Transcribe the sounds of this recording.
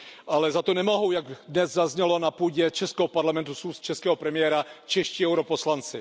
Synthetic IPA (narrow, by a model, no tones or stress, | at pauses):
ʔalɛzat̪onɛmo̞ɦowjaɡdnɛzzazɲɛlo̞napuːɟɛt͡ʃɛskɛɦopaɾlamɛnt̪usust̪̚t͡ʃɛskɛːɦopɾɛmɪjɛːɾat͡ʃɛʃciːɛwɾoposlant͡sɪ